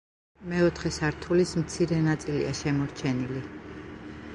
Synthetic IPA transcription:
mɛɔt̪ʰχɛsaɾt̪ʰulismt̪sʰiɾɛnat̪sʼilḭaʃɛmɔɾt͡ʃʰɛnili

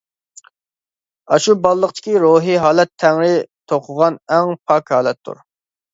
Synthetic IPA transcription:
ɑʃubɑlˠːəqt̪ʰɪ̥kʲiɾoɦiɦɑːlɛt̪ʰːɛŋɾɪt̪ʰoqʰʊʁɑnɛŋpʰɑkhɑːlˠɛt̪ʰːṵɾ

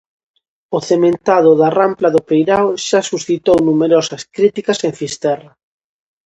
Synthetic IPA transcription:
ʊθemẽnt̪aðʊðaramplaðʊpejɾawʃasusθit̪ownumeɾɔsɐskɾit̪ikɐseŋfist̪ɛrɐ

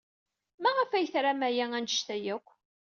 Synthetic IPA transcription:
mæʁəfæjθɾamæjæŋænʃt̪æjækʷː

